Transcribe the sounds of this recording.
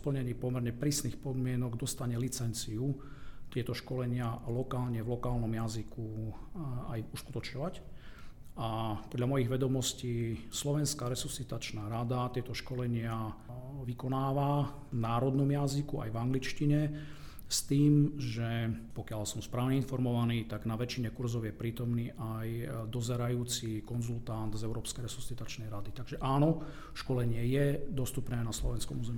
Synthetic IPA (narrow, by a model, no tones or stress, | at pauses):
spl̩ɲɛɲiːpɔmɛɾɲɛpɾiːsniːxpɔd̪mɪɛnɔɡd̪ɔst̪aɲɛlit͡sɛnt͡siut̪ɪɛt̪ɔʃkɔlɛɲɪalɔkaːlɲɛvlɔkaːlnɔmjaziku | a̰juskut̪ɔt͡ʃɲɔʋac | ʔapɔd̪ʎamɔjiɣʋɛd̪ɔmɔsciːslɔʋɛnskaɾɛsusit̪at͡ʃnaɾad̪at̪ɪɛt̪ɔʃkɔlɛɲɪaʋikɔnaːʋa | naːɾɔd̪nɔmjazikua̰jvaŋɡlit͡ʃciɲɛ | st̪iːmʒɛpɔkɪalsɔmspɾaːʊɲɛinfɔɾmɔʋaniːt̪aɡnaʋɛt͡ʃiɲɛkuɾzɔʊjɛpɾiːt̪ɔmniːʔajd̪ɔzɛɾajuːt͡sikɔnzult̪and̪zɛʊɾɔːpskɛjɾɛsu̥sit̪at͡ʃnɛjɾad̪it̪aɡʒɛʔaːnɔ | ʃkɔlɛɲɪɛjɛd̪ɔst̪upnɛːnaslɔʋɛnskɔ̰muːzɛmi